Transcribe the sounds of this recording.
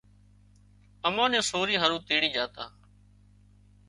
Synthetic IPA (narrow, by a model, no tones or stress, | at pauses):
əmãːnẽːsoːɾiːɦəɾũːt̪iːɽiːd͡ʒaːt̪a̰ː